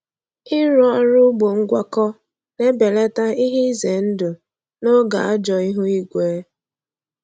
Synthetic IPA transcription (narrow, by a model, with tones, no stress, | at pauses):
ɪ˦ɾɔ˦ɾʊ˦ɡ͡bo˨ŋ̩˦ɡʷa˦kɔ˦ | ne˦be˨le˦ta˦i˦ɦi˦ze˨n̩˦dʊ˨ | no˦ɡa̰˨a˦d͡ʒɔ˨i˦ɦu˦i˦ɡʷeː˨˦